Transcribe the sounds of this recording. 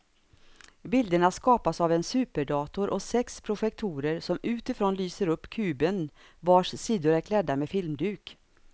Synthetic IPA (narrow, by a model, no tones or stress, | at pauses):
bɪld̪əɳaskɑːpasavɛnsʉ̟ːpəɖɑːt̪ʊɾʔɔsɛkspʰɾʊɧɛk̚t̪ʰuːɾəɾsɔmʉ̟ːt̪ɪfɾoːnlyːsəɾɵpːkʰʉ̟ːbən | vaʂsiːd̪ʊɾæɾkʰlɛd̪ːamefɪlmd̪ʉ̟ːk